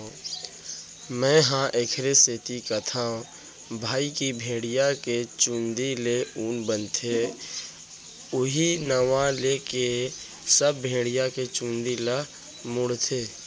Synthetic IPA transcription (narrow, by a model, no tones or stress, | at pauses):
mɛ̃ːɦãʔeːkʰɾeseːt̪ikat̪ʰaõ | bʱaːikibʱẽːɽijaket͡ʃũːnd̪ileuːnbənt̪ʰe | ʊɦinəʋãleke | səbːʱẽːɽijaket͡ʃũːnd̪ila | mʊɽt̪ʰeː